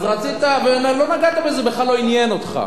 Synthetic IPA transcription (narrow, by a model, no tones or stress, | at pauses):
zʁat͡sit̪abemelo̞naɡat̪abezebeχlalːo̞injenot̪χa̰